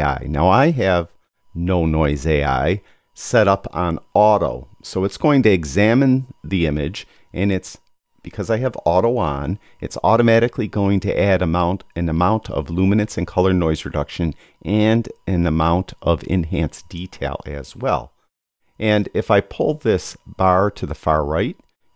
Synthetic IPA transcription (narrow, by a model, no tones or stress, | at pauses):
a̰ɪna̰ʊaɪɨv | noʊnɔɪzeɪa̰ɪ | sɛɾʌpn̩ɔɾo̰ʊsoʊɨtsɡ̥oʊɪ̃ŋtɨɨɡzæmɨ̃nðiɪ̃mɨd͡ʒ | ʔɨ̃nɨts | b̥ɨkʰʌzaɪɨvɔɾoʊə̃n | ɨ̰tsɔ̰ɾɨmæɾɨkʰliɡoʊɪ̃ŋtʰɨ̰ʔæɾɨmãʊ̃ntɨ̃nəmãʊ̃ntʰʌ̰vlumɨnɨsɨ̃nkʰʌlˠə˞nɔɪzɹɨdʌkʃɨ̃n | ʔɨ̃nɨ̃nɨmãʊ̃ntʰʔʌvɪ̰̃nɦæ̃nsd̥itʰeɪlˠɨ̰z̥wɛ̰lˠ | ʔɨ̃nɪfaɪpʰʊlˠðɪsb̥ɑɹɾɨðəfɑɹɹaɪt̚